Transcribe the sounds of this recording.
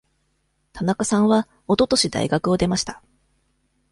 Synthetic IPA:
t̪ʰanakasãɰ̃βa | o̞t̪o̞t̪o̞ɕid̪a̰ḭɡakɯ̟o̞d̪e̞maɕi̥t̪ḁ

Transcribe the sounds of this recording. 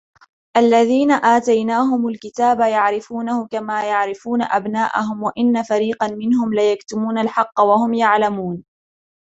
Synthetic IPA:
ʔalːaðiːnaʔaːt̪ajnaːɦʊmʊlkɪt̪aːbajaʕɾɪfuːnahʊkamaːjaʕɾɪfuːna̰ʔabnaːʔa̰ɦʊmwaʔɪnːafaɾiːqɑnmɪnhʊmlajakt̪ʊmuːnalħɑqːɑwahʊmjaʕlamuːn

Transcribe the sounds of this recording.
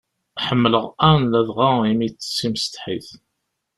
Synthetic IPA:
ħəmːələʁæɾnlæðʁaimijt͡sːə̥sːimst̪ħiθ

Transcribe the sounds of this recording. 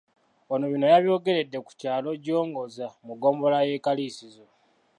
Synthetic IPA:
onoβino̞jaβjo̞ːɡe̞ɾe̞dːe̞ku̥caːlo̞ɟo̞ːŋɡo̞zamuɡo̞ːmbo̞laje̞kaliːsizo

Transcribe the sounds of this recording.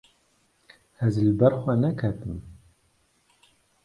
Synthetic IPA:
ɛzlbɛɾxʷɛnɛkʰɛt̪ɨm

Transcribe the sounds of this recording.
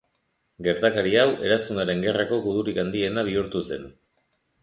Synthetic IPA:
ɡe̞ɾt̪akaɾiawʔe̞ɾasunaɾe̞ŋɡe̞rako̞ɣuðuɾikand̪ie̞naβ̞iuɾt̪use̞n

